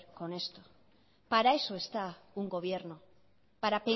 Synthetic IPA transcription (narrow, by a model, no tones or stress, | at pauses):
ɾko̞ne̞st̪o | paɾae̞so̞e̞st̪auŋɡo̞β̞je̞ɾno | paɾape